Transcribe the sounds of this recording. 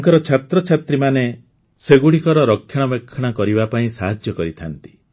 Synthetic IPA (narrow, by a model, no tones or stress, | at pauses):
ŋkɔɾɔt͡ʃʰat̪ɾɔt͡ʃʰat̪ɾimane | seɡuɽikɔɾɔɾɔkʰːjɔɽ̃ɔbekʰːɔɽ̃akɔɾibapaĩsaɦad͡ʒjɔkɔɾit̪ʰant̪i̥